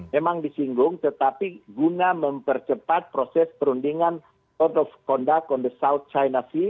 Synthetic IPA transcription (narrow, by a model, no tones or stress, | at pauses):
memaŋdisiŋɡʊŋt̪ət̪apiɡunaməmpərt͡ʃəpat̪̚pɾosɛspəɾundiŋan | t̪ɔdɔfkɔndakɔndəsaut̪̚t͡ʃajnasɪ